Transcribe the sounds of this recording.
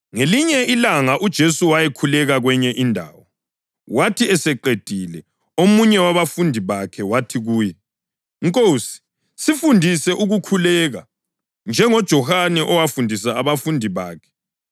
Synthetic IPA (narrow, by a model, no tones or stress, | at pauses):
ŋeliɲɛilaŋaʔud̥ʒ̥ʱesuwajɛkʰulɛɣaɣwɛɲɛʔindʱa̰ːwɔ | watʰiɛsɛǃed̥ʱilɛ | omuɲɛwaβafundʱiβakʰɛwatʰiɣuːjɛ | ŋkʼoːsi̥ | sifundʱisɛʔuɣukʰulɛːɣa | nd͡ʒʱɛŋɔd̥ʒ̥ʱɔhanɛʔɔwafundʱis̬aːβafundʱiβaːkʰɛ̥